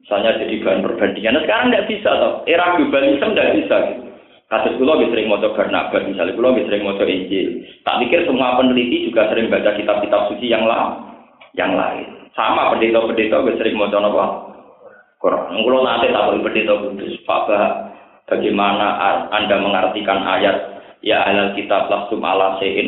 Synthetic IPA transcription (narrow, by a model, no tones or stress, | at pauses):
misalɲḁd͡ʒ̥a̤d̥i̤b̥a̤anpərb̥and̪̥iŋansəkaɾaŋdaʔb̥isat̪ɔeɾaɡ̥ob̥alisəmndaʔb̥isaɡit̪u | kasʊskulɔɡɪsəɾɪŋmɔt͡ʃɔb̥a̤na̰ʔb̥at̪̚misalikulɔɡɪsəɾɪŋmɔt͡ʃɔʔiɲd͡ʒɪlt̪a̰ʔmikɪrsuŋuapənlit̪id͡ʒuɡasəɾɪŋbat͡ʃakit̪ap̚kit̪ap̚sut͡ʃijaŋla̰ | ja̰ŋla̰ɪ̰nsamapəndet̪ɔbəndet̪ɔɡɛʔsəɾɪŋmɔt͡ʃɔnɔpa | koɾʔa̰nŋkulɔnat̪ɪt̪apɔipəndet̪ɔbud̪̥ʊspa̰ʔb̥aɦʔ | b̥a̤ɡ̥amanaʔʔa̰ndaməŋart̪ikana̰jat̪̚ | jaʔaalɦalkit̪ap̚laht̪umʔa̰laseʔɪ̰n